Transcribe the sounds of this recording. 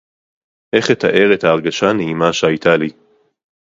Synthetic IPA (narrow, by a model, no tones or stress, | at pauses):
ʔe̞χet̪aʔe̞ʁet̪haːʁɡaʃaneimaʃeajt̪ʰali